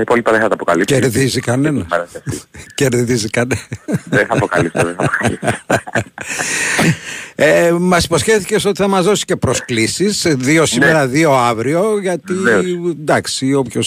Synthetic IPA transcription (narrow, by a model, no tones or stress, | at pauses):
ɐipolipɐðẽxɐt̪ɐpoka̰liceɾðizikɐnenɐɐɾeice̞ɾðizikɐneeθɐpokɐ̰lisðeɐpokalis | emɐsi̥po̞scefθi̥ce̞st̪ot̪iθɐmɐzðo̞si̥ce̞pɾo̞sklisizðiosimeɾɐðio̞ɐvɾio̞ʝɐt̪ind̪ɐksio̞pço̞s